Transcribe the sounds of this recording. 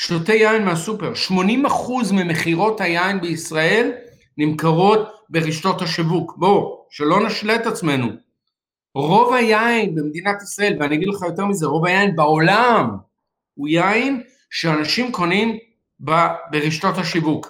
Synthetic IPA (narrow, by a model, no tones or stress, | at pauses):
ʃtote̞jainmeɦasupe̞ʁʃmo̞nimaχuzmeme̞χiʁo̞thajainbeisʁae̞l | nimkaʁo̞t̚be̞ʁiʃto̞thaʃivukbo̞ʃelo̞naʃlet̪at͡sme̞nu | ʁo̞vajainbe̞md̪inat̪isʁae̞lveaniaɡid̪leχajo̞te̞ʁmize̞ʁo̞vajainbao̞lam | ujain | ʃeanaʃimko̞nim | babeʁiʃto̞thaʃivuk